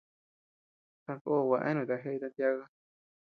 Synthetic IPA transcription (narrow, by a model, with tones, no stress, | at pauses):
tã˧ko˦˨wa˨˧ʔã̰˦nũ˨t̪a˧ɦe˦i˧t̪a˧nt̪ja˧ɣa˦